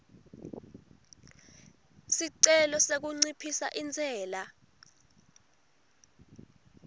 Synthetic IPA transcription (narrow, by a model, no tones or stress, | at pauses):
siǀɛlɔsek̬uŋ͡ǀipʰisa̰ʔind͡zʱɛːla